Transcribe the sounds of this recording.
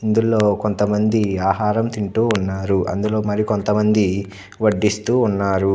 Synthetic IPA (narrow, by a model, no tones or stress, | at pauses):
ind̪ulo̞ːko̞nt̪ɐmɐnd̪iaːɦaːɾɐmt̪iɳʈuːnːaːɾuʔɐ̰nd̪ulo̞ːmɐɾikont̪ɐmɐnd̪i | ʋɐɖːist̪uːnːaːɾu